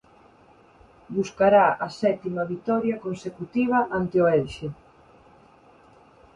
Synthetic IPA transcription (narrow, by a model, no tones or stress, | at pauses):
buskaɾaɐsɛt̪imɐβit̪ɔɾjɐkonsekut̪iβ̞ɐʔant̪eoɛlʃe